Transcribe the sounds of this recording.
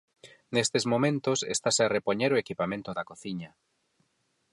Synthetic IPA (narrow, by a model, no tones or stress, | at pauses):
nest̪ezmomẽnt̪osḛst̪asearepoɲeɾoekipamẽnt̪oðakoθiɲɐ